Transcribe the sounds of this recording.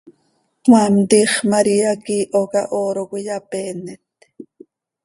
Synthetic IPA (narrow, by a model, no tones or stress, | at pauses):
wamt̪iχmaɾiakiːʔokaʔoːɾokʷijapeːnet̪